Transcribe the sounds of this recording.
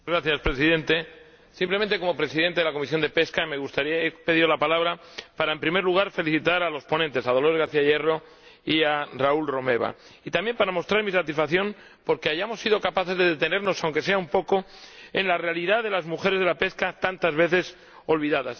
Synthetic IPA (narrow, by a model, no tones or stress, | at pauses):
ɣɾaθjaspɾe̞siðẽ̞nt̪e̞ | simplemẽnt̪eko̞mo̞pɾe̞siðe̞nt̪eðelako̞misjo̞nd̪e̞pe̞skame̞ɣust̪aɾiaepe̞ðiðolapalaβɾapaɾaempɾime̞ɾluɣ̞aɾfe̞liθit̪aɾalo̞spo̞nent̪e̞sað̞olo̞ezɣaɾθiaje̞ro̞ | iaraulro̞me̞β̞a̰ | it̪ambje̞mpaɾamo̞st̪ɾaɾmisat̪isfakθjo̞m | po̞ɾkeaʝamo̞sːiðo̞kapaθe̞zðe̞ðet̪e̞ne̞ɾno̞sawŋke̞s̬e̞aumpo̞ko̞ | e̞̰nlare̞aliðaðe̞lazmuxe̞ɾezð̞e̞lape̞skat̪ant̪azβe̞θe̞s | o̞lβiðaðas